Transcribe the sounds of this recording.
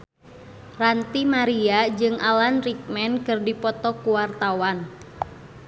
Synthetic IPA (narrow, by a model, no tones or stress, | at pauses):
rant̪imaɾiad͡ʒɨŋʔalanrik̚mɛnkɨrdipɔt̪ɔkuwart̪awan